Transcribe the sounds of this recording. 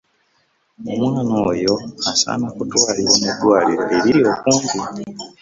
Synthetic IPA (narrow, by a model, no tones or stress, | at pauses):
omwaːnoːjo̞asa̰ːnakutwaːliɾo̞ːmudwaːliɾo̞̰ʔeɾiɾio̞ːkuːndi